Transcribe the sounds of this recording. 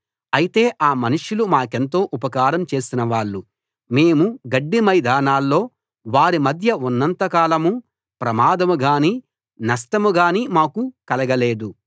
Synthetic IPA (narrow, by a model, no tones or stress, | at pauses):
ɐjit̪e̞ːʔaːmɐnuʂjulumaːke̞nt̪o̞ːʔupɐkaːɾɐmt͡ʃe̞ːsinɐʋaːɭːu | me̞ːmuɡɐɖːimɐjd̪ʱaːnaːlːo̞ː | ʋaːɾimɐd̪ʱjɐunːɐnt̪ɐkaːlɐmu | pɾɐmaːd̪ɐmuɡaːniː | nɐʂʈɐmuɡaːniːmaːkukɐlɐɡɐle̞ːd̪u